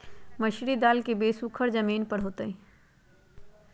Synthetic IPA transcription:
mɐʃɾid̪aːlkibeːsuːkʰəɾzɐmiːnpɐɽ̤oːt̪əi

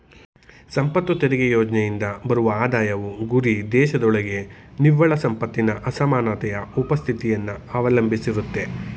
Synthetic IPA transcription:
sɐmpɐt̪ːʋɐt̪eɾiɡejoːd͡ʒnejind̪ɐbɐɾuʋɐaːd̪aːjɐʋuɡuɾid̪ɛːʃɐd̪ɔɭɐɡe̞niʋːɐɭɐsɐmpɐt̪ːinɐʔɐsɐmaːnaːt̪ɐjɐupɐst̪ʰit̪ijɐnːuɐʋɐlɐmbʱisiɾut̪ːe̞

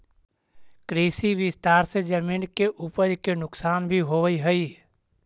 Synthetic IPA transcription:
kɾiːsiʋɪst̪aːɾsed͡ʒəmiːnkeʔupəɾkenʊksaːnbʱiɦoːʋiɦəi

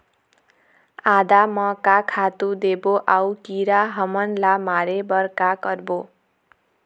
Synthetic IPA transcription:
ad̪amʌkakʰat̪ud̪eboʔawkiɾaɦʌmʌnlamaɾebʌrkakʌrbo

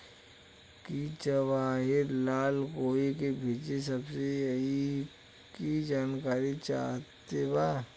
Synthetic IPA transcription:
kit͡ʃɐʋaːɦɪɾlaːlkoːikebʱeːt͡ʃes̬ɐbsejɦi | kid͡ʒaːnkaːɾit͡ʃa̰ːɦt̪ebaː

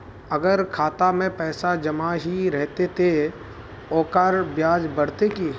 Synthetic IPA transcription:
ɐɡəɾkʰaːt̪amẽpɛːsad͡ʒɐmaɦiɾɛɦt̪et̪ʰe | ɔːkaːɾbjaːd͡ʒbəɽ̤t̪eki

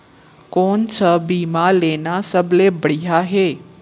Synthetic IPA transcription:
kont͡ʃʰəbimãlenasəblebəɽiɦaɦe

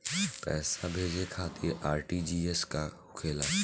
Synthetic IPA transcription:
pɛːsabʱeːd͡ʒekʰaːt̪ʰɪɾaːɾʈid͡ʒiːeska | kʰeːlaː

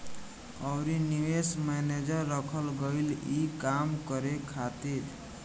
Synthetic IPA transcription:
ʌwɾiniwesmened͡ʒəɾːʌkʰəlɡəjlikamkʌɾekʰat̪iɾ

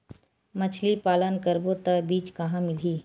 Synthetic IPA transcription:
mət͡ʃʰlipaːlənkəɾbot̪əbiːt͡ʃkɐɦãmɪliː

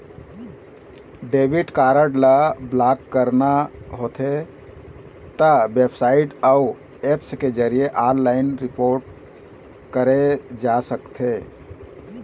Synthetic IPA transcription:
ɖeːʋiʈkaɾəɖlablaːkːəɾnaɦot̪ʰe | t̪əbepsaːɪʈau | epsked͡ʒəɾijeʔaːɾlaɪnɾɪpoːɾʈ̚ | kəɾed͡ʒasəkt̪ʰe

